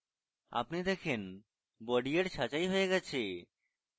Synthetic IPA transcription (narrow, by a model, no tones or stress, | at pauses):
a̰pnid̪ɛkʰen | bɔɖieɾʃat͡ɕajɦoeɡɛt͡ɕʰe